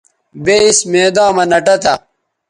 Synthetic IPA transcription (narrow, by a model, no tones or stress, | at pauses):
beismeːd̪ãːmɐnɐʈɐt̪ɐ